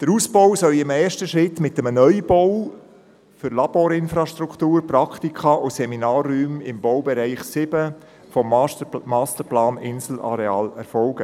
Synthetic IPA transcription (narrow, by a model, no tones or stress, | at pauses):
d̥əɾuːsbɔwsœlɪmɛːʃtəʃɾɪtmɪtəmənœʏb̥ɔw | fʏɾlɑb̥oːɾɪnfɾɑʃtɾukχt̪uːɾprɑkt̪ikχɑʔʊsɛminɑːrːyːmɪmbɔwbɛɾæɪχsɪbə | fɔmmɑːstəɾplɑːnɪnsl̩ɑ̰ɾeɑːlɛ̰ɾfɔlɡ̥ə